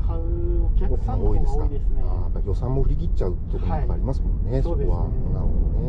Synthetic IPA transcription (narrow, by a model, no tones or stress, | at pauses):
omoːid̪e̞sɨ̥kaaːjapːaijo̞sãmːoɸɯ̟ɾʲiɡʲitt͡ɕaɯ̟t̪ot̪omaːɾʲimasɨmõ̞nnesokoβanaone